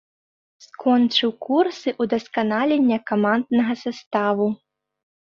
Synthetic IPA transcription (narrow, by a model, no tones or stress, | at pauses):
skɔnt͡ʂɨwkursɨʔud̪ɐskanalʲenʲːɐkamand̪nɐɣɐsast̪avu